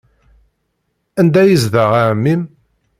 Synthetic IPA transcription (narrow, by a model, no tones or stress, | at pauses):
ænd̪æjizðəʁamːim